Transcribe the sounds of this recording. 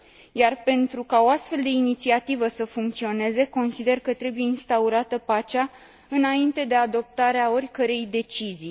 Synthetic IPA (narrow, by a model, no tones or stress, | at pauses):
jarpe̞nt̪ɾukao̞ast̪fe̞ld̪e̞init̪siat̪ivəsəfuŋk̚t̪sio̞ne̞ze̞ko̞nsid̪e̞rkət̪ɾe̞buje̞inst̪auɾat̪əpat͡ʃa | ɨnaint̪e̞d̪e̞ad̪o̞p̚t̪aɾeao̞rʲkəɾe̞jd̪e̞t͡ʃizi